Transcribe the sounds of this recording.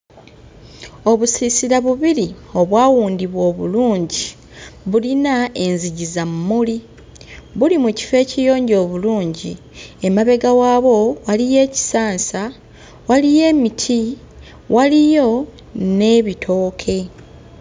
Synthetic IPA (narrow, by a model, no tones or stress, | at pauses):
o̞βusisiɾaβuβiɾi | o̞βwaːwuːndiβwo̞ːβṵluːɲɟi | βulinae̞nziɟizamːuli | βulimuci̥fe̞ːcijo̞ːɲɟo̞ːβuluːɲɟi | e̞maβe̞ɡawaːβo̞walije̞ːci̥saːnsa | walije̞ːmitʰi | wʔalijo̞ | ne̞βitʰo̞ːkʰe̞